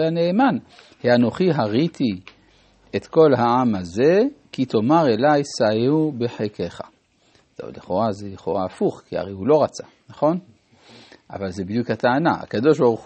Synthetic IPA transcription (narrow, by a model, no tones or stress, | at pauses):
eaneːman | heano̞χiɦaʁit̪i | et̪ko̞lɦaamaze̞kit̪o̞maʁe̞lajsaeubeħekeχa | to̰liχo̞ʁazeliχoʁaːfuχkia̰ʁejhulo̞ʁat͡sa | naχo̞n | ʔa̰valzebid̪jukhat̪aanaa̰kad̪o̞ʃbaʁu